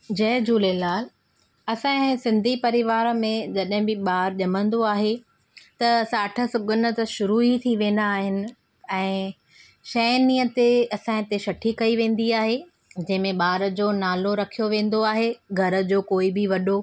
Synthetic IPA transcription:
d͡ʑɐɦd͡ʑuːlelaːl | ɐsãẽsɪ̃nd̪ʱipɐɾɪʋaːɾmẽd͡ʑɐɗɦɪ̃bɪɓaːɾʄɐmə̃nd̪oaːɦe | t̪ɐsaːʈʰə̆sʊɠʱʊnə̆t̪ɐʃʊɾuit̪ʰiʋẽːn̆d̪aːɦɪnɪ̆ | ɛ̃ː | ʃɐːniət̪eɐsãɪ̃t̪eʃɐʈʰikɐiʋẽːn̆d̪iaːɦe | d͡ʑɐ̃ɦɪ̃mẽɓaːɾəd͡ʑoːnaːloɾɐkʰijoʋẽːn̆d̪oaːɦeɡʱɐɾə̆d͡ʑoːkoːibɪʋɐɗo

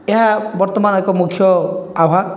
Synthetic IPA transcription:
eɦabɔɾt̪ɔmanɔekɔmukʰjɔabʱa

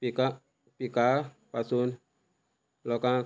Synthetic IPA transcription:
ika | pika | pasun | lɔka

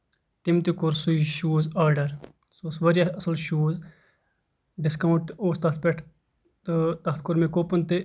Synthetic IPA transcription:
t̪imt̪ikʊɾsuiʃuːzaːɾɖɐɾ | soːsʋɐɾiɐsɐlʃuːz | ɖɪskɐwɳʈ̚t̪oːst̪ɐt̪̚ʰpeʈʰ | t̪ɨt̪ɐɦt̪ʰkʊɾmẽkoːpɐnt̪e

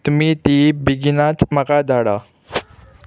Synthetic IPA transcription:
t̪umit̪ibiɡinat͡ʃmakad̪aɽa

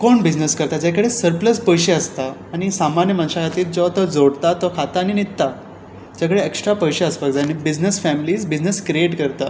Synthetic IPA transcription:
koɳbid͡ʑnəskəɾt̪ad͡ʑakəɽesəɾpləspəjɕeəst̪aːñisamanjəmanɕakat̪iːt̪̚d͡zɔt̪ɔd͡zoɽt̪at̪ɔkʰat̪aːɽ̃init̪ːa | d͡ʑakəɽeeksʈɾapəjɕeəspəɡd͡zanibid͡ʑnəsfæmliːsbid͡ʑnəskɾieʈkəɾt̪a

